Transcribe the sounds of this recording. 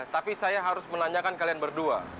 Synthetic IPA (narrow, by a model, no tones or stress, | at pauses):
t̪apisajaɦaɾʊsmənaɲakankalianbərdua̰